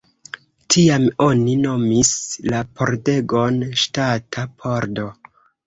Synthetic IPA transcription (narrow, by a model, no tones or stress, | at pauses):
tʰiamo̞nino̞mislapʰo̞̰ɾde̞ɡo̞nʃtatʰapʰo̞ɾdo̞